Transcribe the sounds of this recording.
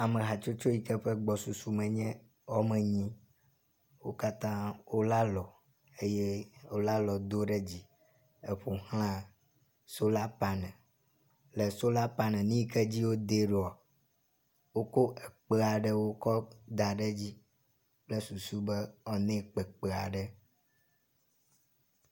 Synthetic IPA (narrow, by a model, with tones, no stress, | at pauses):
a˨mɛ̃˨ɦa˨t͡ʃo˦t͡ʃo˦ji˨kɛ˦ɸɛ˦ɡ͡bɔ˨su˨su˨mɛ̃˨ɲɛ̃˦ | wɔ˦mɛ̃˨ɲĩ˦ | wo˦ka˦t̪ã˦wo˦la˦lɔ˨ | e˦jɛ˦wo˦la˦lɔ˨d̪o˦ɖɛ˦d͡ʑi˦ | e˨ɸo˨hl̃ã˦ | so˦la˦pa˦nɛ̃˨ | le˨so˦la˦pa˦nɛ̃˨nĩ˦kɛ˦d͡ʑi˦wo˦d̪e˦ɖo˨a˨ | wo˦ko˦ʔɛ˨k͡pe˦a˨ɖɛ˦wo˦kɔ˦d̪a˨ɖɛ˦d͡ʑi˦ | k͡ple˦su˨su˦bɛ˦ɔ˨nẽ˦k͡pɛ˨k͡pe˨a̰˨ɖɛ˦